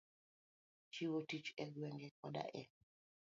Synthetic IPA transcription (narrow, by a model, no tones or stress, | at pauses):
t͡ʃiwotit͡ʃɛɡwɛŋɡɛkɔda̰ʔɛ